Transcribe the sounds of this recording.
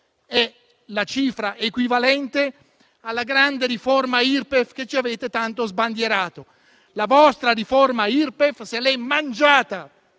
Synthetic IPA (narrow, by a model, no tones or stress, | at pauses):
ɛ | lat͡ʃiːfɾaʔekwivalɛnt̪e | alːaɡɾand̪eɾiformairpefk̟et͡ʃːiaveːt̪et̪ant̪ozband̪jeɾaːt̪o | lavɔst̪ɾaɾiformairpefselɛmːand͡ʒaːt̪a